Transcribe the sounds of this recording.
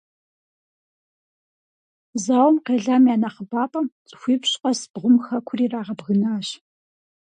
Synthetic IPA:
zaːwmqeːɮaːmjaːnɐχəbaːpʼɐmt͡sʼxʷiːpɕqʼɐsbʁʷʊmxɐkʷʰʊriːraːʁɐbɣɨnaːɕ

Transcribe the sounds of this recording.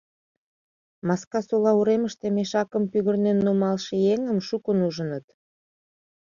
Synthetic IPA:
mɑskɑsulɑuɾeməʃt̪emeʃɑkəmpyɣə̆rnenːumɑlʃejeŋəmʃukənuʒə̆nət̪

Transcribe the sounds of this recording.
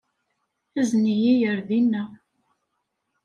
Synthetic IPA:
æznijijəɾðinːæ

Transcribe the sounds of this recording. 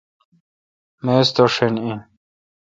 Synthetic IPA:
meːst̪oʂenĩ

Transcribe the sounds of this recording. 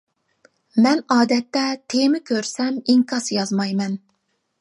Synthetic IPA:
mɛnɑːd̪ɛt̪ːɛt̪ʰemɪkʲʰøɾsɛmiŋkʰɑsjɑzmɑjmɛn

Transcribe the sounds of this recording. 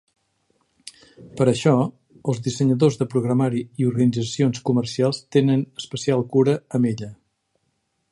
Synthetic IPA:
pəɾəʃɔ | əlˠzðisəɲəðozðəpɾuɣɾəmaɾiiuɾɣənid͡zəsionskumərsialˠst̪enənəspəsialˠkuɾəəmeʎə

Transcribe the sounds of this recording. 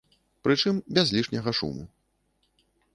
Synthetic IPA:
pɾɨt͡ʂɨmbʲazʲlʲiʂnʲɐɣɐʂṵmṵ

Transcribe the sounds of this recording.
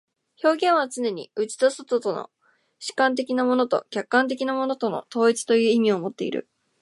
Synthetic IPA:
ço̞ːɡẽ̞ɰ̃βat͡sɨne̞ɲ̟ḭɯ̟t͡ɕi̥t̪osot̪o̞t̪o̞no̰ | ɕi̥kãnt̪̬e̞kʲinamo̞no̞t̪o̞̰kʲakːãnt̪̬e̞kʲinamo̞no̞t̪o̞no̞̰t̪o̞ːit͡sɨ̥t̪o̞jɯ̟ːimʲiomo̞t̪ːe̞ḭɾɯ̟̰

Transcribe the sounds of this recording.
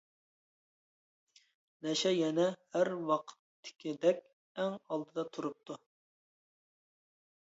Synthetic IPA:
nɛʃɛjɛnɛhæɾwɑqʰə̥t̪ʰːɪ̥kʲid̪ɛkʲ | ɛŋɑlˠd̪ɨd̪ɑt̪ʰuɾup̚t̪ʰu

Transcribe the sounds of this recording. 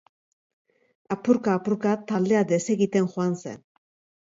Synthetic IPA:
apuɾkaːpuɾkat̪ald̪e̞ad̪e̞se̞ɣit̪e̞nxuanse̞̰n

